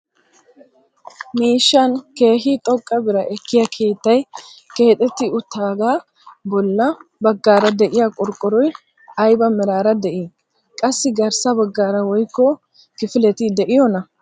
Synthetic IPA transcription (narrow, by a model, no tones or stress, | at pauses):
miːʃːɐnke̞ːɦɪt̪ʼɔkʼːɐbɪɾɐʔɛkːɪjɐkʰe̞ːt̪ːɐjke̞ːt̪ʼɛt̪ːɪʊt̪ːaːɡaː | bɔlːɐbɐɡːaːɾɐd̪ɛʔɪjakʼɔɾkʼɔɾɔj | ɐjbɐmɛɾaːɾɐd̪ɛʔɪ | kʼɐsːɪɡɐɾsɐbɐɡːaːɾɐwɔjkːɔ | kɪfɪlɛt̪ɪd̪ɛʔɪjɔnɐ